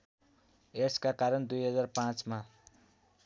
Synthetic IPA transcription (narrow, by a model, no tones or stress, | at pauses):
eskakaɾʌnd̪ujɦʌd͡zarpãt͡sma